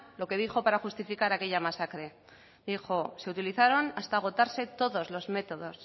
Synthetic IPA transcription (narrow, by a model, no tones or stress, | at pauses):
lo̞ke̞ðixo̞paɾaxust̪ifikaɾake̞ʎamasakɾe̞ | d̪ixo̞se̞ut̪iliθaɾo̞nast̪aːɣ̞o̞t̪aɾse̞t̪o̞ðo̞zlo̞zme̞t̪o̞ðo̞s